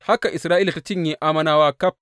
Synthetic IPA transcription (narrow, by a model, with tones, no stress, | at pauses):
ha˦ka˨ʔɪ˨sɾaː˦ʔiː˦la˨ta˦t͡ʃɪ˦˨ɲjiː˦ʔaː˦mɐ˦naː˦waː˦kɐ˦˨p̚